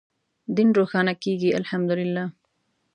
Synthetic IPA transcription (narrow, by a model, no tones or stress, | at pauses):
d̪inɾoxɑːnakeɡialhamd̪ʊlɪlːaː